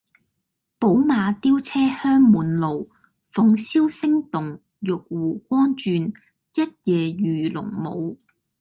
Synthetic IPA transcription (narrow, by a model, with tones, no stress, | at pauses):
po˨˥wmaː˨˧t̪iː˥wt͡sʰɛː˥hœː˥ŋmuː˨˩nlo˨w | fʊ˨˧ŋsiː˥wsɪ˥ŋt̪ʊ˨˩ŋ | jʊ˨k̚wuː˨˩kʷɔː˥nt͡ʃyː˧n | jɐ˥t̚jɛː˨˩jyː˨˩lʊ̰˨˩ŋmo̰˨˧w